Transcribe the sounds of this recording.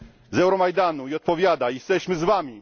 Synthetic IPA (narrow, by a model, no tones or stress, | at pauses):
zɛwɾɔmajd̪anuiɔt̪̚pɔvʲjad̪aijɛst̪ɛɕmɘzvamʲi